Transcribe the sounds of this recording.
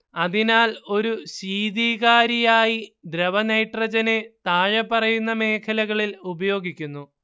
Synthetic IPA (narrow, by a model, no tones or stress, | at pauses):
ɐðinaːlo̞ɾuɕiːðiːɣaːɾijaːjid̪ɾɐʋɐnɐjʈrɐd͡ʑɐne̞t̪aːɻɐpːɐrɐjunːɐme̞ːkʰɐlɐɣɐɭilubɐjo̞ːɡikʲːunːu